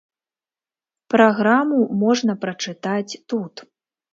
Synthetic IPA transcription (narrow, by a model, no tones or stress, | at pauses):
pɾaɣɾamumɔʐnɐpɾɐt͡ʂɨt̪at͡sʲt̪ut̪